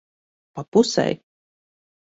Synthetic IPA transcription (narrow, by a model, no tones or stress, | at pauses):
papusɛ̰j